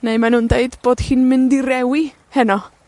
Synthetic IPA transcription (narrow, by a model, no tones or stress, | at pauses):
nejmanundeɨdb̥oːd̥hiːnmɪndiɾɛwi | hɛnɔ